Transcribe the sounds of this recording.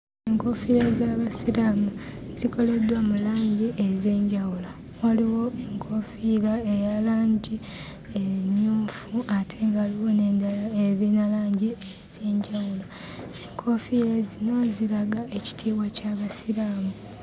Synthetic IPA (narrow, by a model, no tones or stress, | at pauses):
eŋko̞fiɾezaːβasiɾaːmuziko̞le̞dwamulaːɲɟiʔezeːɲɟawula | oliwo̞eŋkʰo̞filaejalaːɲɟi | eɲjuːɱfuatʰe̞ːŋɡaliwoneːndalaeðinalaːɲɟie | ze̞ːɲɟawula | eŋkʰo̞filezino̞ziɾaɡaʔeci̥tʰiːwacaβasiɾaːmu